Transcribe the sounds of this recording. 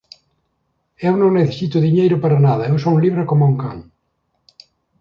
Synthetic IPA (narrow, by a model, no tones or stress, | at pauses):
ewnõŋneθesit̪ʊðiɲejɾʊpaɾɐnaðɐewsoliβɾakomuŋka̰ŋ